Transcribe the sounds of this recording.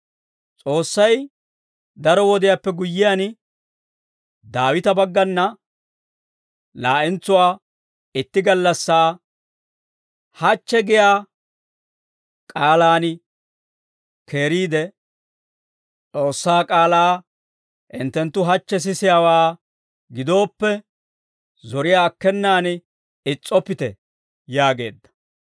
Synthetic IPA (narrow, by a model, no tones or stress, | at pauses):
t͡sʼo̞ːsːɐj | d̪ɐɾɔwɔd̪ɪjapːɛɡʊjːɪjan | d̪aːwɪt̪ɐbɐɡːɐnːɐ | laːʔɪnt͡sːʊwaː | ɪt̪ːɪɡɐlːɐsːaː | hɐt͡ʃːɛɡɪjaː | kʼaːlaːn | kʰe̞ːɾiːd̪ɛ | t͡sʼo̞ːsːaːkʼaːlaː | ʔɪ̰nt̪ːɛnt̪ːʊɦɐt͡ʃːɛs̬ɪsɪjaːwaː | ɡɪd̪o̞ːpːɛ | zɔɾɪjaːkːɛnːaːn | ɪt͡sʼːɔpːɪt̪ɛ̰ | jaːɡe̞̰ːd̪ːɐ̥